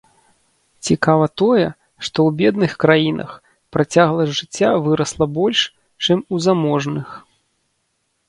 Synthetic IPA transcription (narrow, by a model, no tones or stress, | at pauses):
t͡sʲikavɐt̪ɔjɛ | ʂt̪ɔwbʲɛd̪nɨxkɾajinʔɐ̰x | pɾat͡sʲaɣlˠɐʐɨt͡sʲːavɨɾɐslˠɐbɔlʲʂ | t͡ʂɨmuzamɔʐnɨx